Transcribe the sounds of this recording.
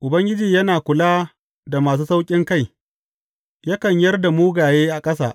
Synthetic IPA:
ʔʊ˨bɐ˦ŋɡʲɪ˦d͡ʒiː˨jɐ˦naː˨kʷʊ˨laː˦ | da˨maː˨s̬uː˦sa˦wkʲʼɪ˦ŋka˦˨j | jaː˦kɐ˨ɲjɐ˦rda˨muː˦ɡaː˨jeː˦ʔa˨kʼɐ˦sa̰ː˨ʔ

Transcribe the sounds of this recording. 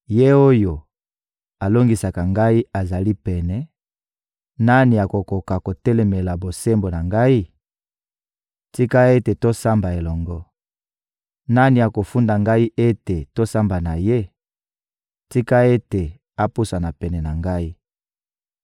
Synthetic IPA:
je˦o˦jo˨ | a˨lo˦ŋɡi˨sa˨ka˨ŋɡa˦i˦a˨za˨li˦pɛ˨nɛ˨ | na˦ni˨ja˨ko˨ko˨ka˨ko˨tɛ˦lɛ˨mɛ˨la˨bo˨se˦mbo˨na˨ŋɡa˦i˦ | ti˦ka˦e˦te˨to˦sa˦mba˨e˨lɔ˨ŋɡɔ˦ | na˦ni˨ja˨ko˨fu˦nda˨ŋɡa˦i˦ʔe˦te˨to˦sa˦mba˨na˨je˦ | ti˦ka˦e˦te˨ | a˨pu˦sa˨na˨pɛ˨nɛ˨na˨ŋɡa˦i˦

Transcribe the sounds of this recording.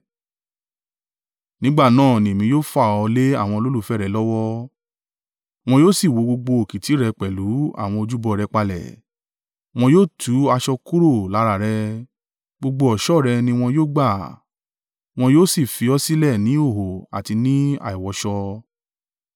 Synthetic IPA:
nĩ˦ɡ͡ba˦˨nãː˦˨nĩ˨mĩ˧joː˦fa˦˨ɔ˧le˦a̰˦˨w̃ɔ̃˧o˧lo˦lu˦˨fɛ˦ɾɛ˨˦lɔ˦wɔ˦ | w̃ɔ̃˧joː˦˨si˦˨wo˨˧˦ɡ͡bo˧ɡ͡bo˧o˨ki˨ti˨˦ɾɛ˧k͡pɛ˨lu˨˦a̰˦˨w̃ɔ̃˧o˧d͡ʒu˦bɔ˧ɾɛ˧k͡pa˧lɛ̰˨ | w̃ɔ̃˧joː˦˨tʰu˨˦a˧ʃɔ˧ku˦ɾo˦˨la˨˦ɾa˨ɾɛ˧ | ɡ͡bo˧ɡ͡bo˧ɔ˨ʃɔ˦˨ɾɛ˧nĩ˧w̃ɔ̃˧joː˦˨ɡ͡ba˦˨ | w̃ɔ̃˧joː˦˨si˦˨fi˨˧ɔ˦si˦lɛ˦˨nĩ˨˦o˦˨ɦo˨a̰˨ti˧nĩ˦a̰˨i˨wɔ˧˦ʃɔ˧

